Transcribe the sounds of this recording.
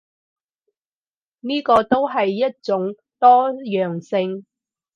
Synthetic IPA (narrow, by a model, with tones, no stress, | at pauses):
niː˥kɔː˧t̪o˥wɦɐ˨jːɐ˥t̚t͡sʊ˨˥ŋ | t̪ɔː˥jœː˨ŋsɪ˧ŋ